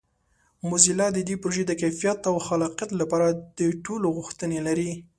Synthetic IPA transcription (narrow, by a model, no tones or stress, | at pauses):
mʊzilɑd̪əd̪wepɾoʒed̪əkajfijat̪awxalɑqjat̪lapɑɾad̪̥əʈoloɣʊxt̪ənelaɾi